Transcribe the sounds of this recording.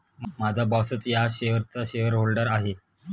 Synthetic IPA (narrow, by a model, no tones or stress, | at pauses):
mad͡zʱabɔsət͡sjaɕeɦəɾt͡saɕeəɾɦolɖəɾaɦe